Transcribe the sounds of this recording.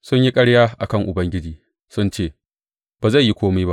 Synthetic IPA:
sʊ˦ɲji˦kʼɐ˦ɽjaː˦ʔa̰˨kɐ˦˨ŋʔʊ˨bɐ˦ŋɡʲɪ˦d͡ʒiː˨ | sʊ˦nt͡ʃeː˦˨ | b̥aː˨za˦˨ji˦kʷoː˦miː˦ba˦ʔ

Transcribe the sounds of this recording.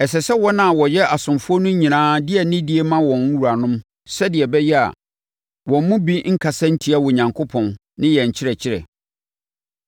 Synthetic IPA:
ɛ˨sɛ˨sɛ˦wɔ˦nã˦˨wɔ˨jɛ˦ʔa˨sʊ̃˨mfʊ˦ɔ˦nʊ̃˦ɲĩ˨nãː˦dɪ˦ɛ˨nɪ̃˦dɪ˨˦e˦mã˦wɔ̃˨n˦wu˨ɾa˨nʊ̃˦m | sɛ˦dɪ˨ɛ˨bɛ˦jɛ˦a̰˨ | wɔ̃˨m̩˦mũ˦bi˦ŋ̩˦kʰa˨sɛ̃˦n̩˦tʰi˨˦a˦wʊ˨ɲã˨ŋkʰʊ˦pʰɔ̃˨nː | ɪ̃˦jɛ˨ɲ̩˨t͡ɕʰɪ˦ɾɛ˨t͡ɕʰɪ˦ɾɛ̰˨

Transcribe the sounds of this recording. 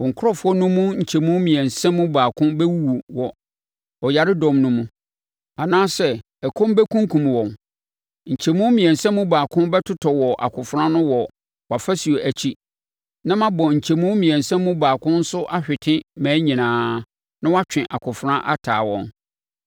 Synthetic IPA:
wɔ̃˨ŋ̩˨kʰʊ˦ɔ˦fʊ˦ɔ˦nʊ̃˦mũ˦ɲ̩˨t͡ɕʰɛ˨mũ˦mĩ˨ɛ̃˨nsɛ̃˦mːũ˦baː˨kʰʊ̃˦bɛ˦wu˦wu˨wɔ˨ | ɔ˨ja˨ɾɪ˦dɔ̃˨mnʊ̃˦mũ˦ | a˨nãː˦sɛ˦˨ | ɛ˨kʰɔ̃˦m˦bɛ˦kʰũ˦ŋ˦kʰũ˨m˨wɔ̃˨n | ɲ̩˨t͡ɕʰɛ˨mũ˦mĩ˨ɛ̃˨n˨sɛ̃˦mũ˦baː˨kʰʊ̃˦nbɛ˦tʰʊ˦tʰɔ˨wɔ˨ʔa̰˨kʰʊ˨fʊ˦ɾã˦nʊ̃˦wɔ˨ | wa˨fæ˦si˨o˨ʔæ˨t͡ɕʰi˦ | nã˦mã˦bɔ˨ɲ̩˨t͡ɕʰɛ˨mũ˦mĩ˨ɛ̃˨n˨sɛ̃˦mːʊ̃˦baː˨kʰʊ̃˦n̩˦sʊ˦ʔa˦ɕᶣɪ˨tʰɪ̃˦mæ̃ː˨˦ɲĩ˨nãː˨˦ | nã˦wa˦t͡ɕᶣɪ̃˨ʔa˨kʰʊ˨fʊ˦ɾã˦ʔa̰˦tʰa̰ː˨wɔ̰̃˦n

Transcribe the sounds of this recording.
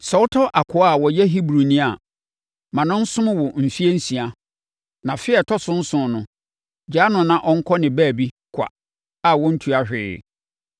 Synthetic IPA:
sɔ˨wʊ˦tʰɔ˦ʔa˨kʰʊ˦a˦˨wɔ˨jɛ˦ɦi˦bɾu˨nĩ˦a˨ | mã˨nʊ̃˦n̩˦sʊ̃˦m˦wɔ˨m̩˨fi˦e˦n̩˦sĩ˨a˨ | nã˨fɪ˦ɛ˨tʰɔ˦sʊ̃˦n̩˦sʊ̃˨nʊ̃˦ | d͡ʑaː˦nʊ̃˨nã˦ʔɔ˦ŋ̩˦kʰɔ˦nɪ̃˨bæː˦˨bi˦ | kʷʰa̰˨ | a˨wɔ̃˦n̩˦tʰu˨a˦hᶣɪ̰ː˨

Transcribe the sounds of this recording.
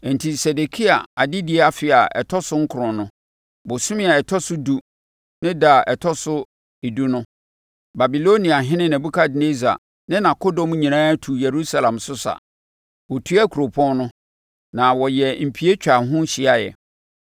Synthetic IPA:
n̩˨tʰi˨sɛ˨de˨kʰi˦a̰˨a˨dɪ˦dɪ˦ɛ˦a˨fɪ˨a˨ɛ̰˨tʰɔ˦sʊ˦ŋ̩˦kʰʊ˨ɾʊ̃˨nʊ̃˦ | bʊ˨sʊ̃˦mɪ̃˦a˨ɛ˨tʰɔ˦sʊ˦du˦ | nɪ̃˦da˨ʔɛ˨tʰɔ˦sʊ˦ | i˨du˦nʊ̃˦ | ba˨bi˨lo˦nĩ˨a˨ɦɪ̃˦nɪ̃˦nɛ̃˨bu˦kʰa˦dne˦za̰˨ | nɪ̃˦nã˨ko˦dɔ̃˦m˦ɲĩ˨nãː˦tʰu˨je˨ɾu˦sa˦lã˨msʊ˦sa̰˨ | wɔ˨tʰu˦a˦kʰu˨ɾo˨pʰɔ̃˦nnʊ̃˦ | nã˨wɔ˨jɛ˨m̩˨pʰi˨e˦t͡ɕᶣa˨ɦʊ̃˦ɕi˨a˦jɛ̰˨

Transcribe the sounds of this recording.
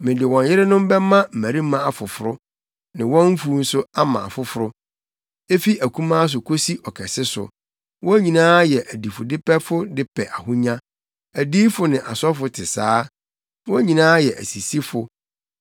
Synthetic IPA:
mɪ̃˨dɪ˨wɔ̃˨n˦jɪ˦ɾɪ˦nʊ̃˦m˦bɛ˦mã˦m̩˨mæ̃˨ɾi˦mã˦a˨fʊ˨fʊ˨ɾʊ˦ | nɪ̃˨wɔ̃˦m̩˦fu˦n̩˦sʊ˦a˦mã̰˨a˨fʊ˦fʊ˦ɾʊ˦ | e˦fi˦æ˨kʰũ˦mã˦s̬ʊ˨kʰo˦si˦ʔɔ˨kʰɛ˨sɪ˦sʊ̰˨ | wʔɔ̃˦ɲĩ˨nãː˦jɛ˨ʔæ˨di˨fʊ˨dɪ˦pɛ˦fʊ˦dɪ˦pʰɛ˨ʔa˨ɦʊ˦ɲã˦ | æ˨diː˦fʊ˦nɪ̃˨ʔa̰˨sɔ˦fʊ˦tʰɪ˨saː˦ | wɔ̃˦ɲĩ˨nãː˦jɛ˨ʔæ˨si˨si˦fʊ˨

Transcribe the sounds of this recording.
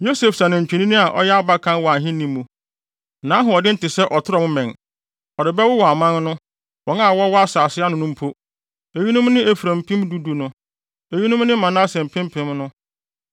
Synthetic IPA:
jo˦se˨fsa˨nɪ̃˨ɲ̩˨t͡ɕᶣi˨nĩ˦nĩ˦a˨ʔɔ̰˦jɛ˦a˦ba˦kʰã˦n˦wɔ˨a˨ɦɪ̃˦nĩ˦mːũ˨ | nã˨˦ɦʊ̃˨ɔ˨dɪ˦n̩˦tɪ˨sɛ˦ʔɔ˨tʰɪ˦ɾɔ˨mʊ̃˦mɛ̃˨n | ɔ˨ɾɪ˨bɛ˦wʊ˦wɔ˨a˨mã˦nnʊ̃˦ | wɔ̃˨na˦˨wɔ˦wɔ˦a˦saː˨sɪ˦a˦nʊ̃˦nʊ̃˦m̩˦pʰo˦ | e˨ji˦nʊ̃˦mnɪ̃˦e˨fu˨ɾæ̃˨m˨pʰĩ˦mdu˦du˨nʊ̃˨˦ | e˨ɥi˦nʊ̃˦m˦nɪ̃˦mã˨nã˦sɛ̃˨m̩˨pʰɪ̃˦m˦pʰɪ̃˨˦mnʊ̃˦

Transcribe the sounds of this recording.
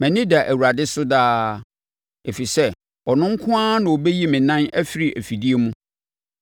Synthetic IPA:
mæ̃˨nĩ˦da˨ʔæ˨wu˨ɾa˨dɪ˦sʊ˦daː˦ | e˨fi˨sɛ˦ | ɔ˨nʊ̃˦ŋ̩˦kʰʊ̃˦ã˦nã˨o˨be˦ji˦mɪ̃˨nã˦næ˦fɪ˦ɾi˨ʔæ˨fi˨di˦e˦mũ˦

